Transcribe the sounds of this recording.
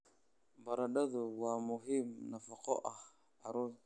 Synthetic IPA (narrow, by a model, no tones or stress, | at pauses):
baɾaɗaðuwamuɦimnafakoʔa | aɾo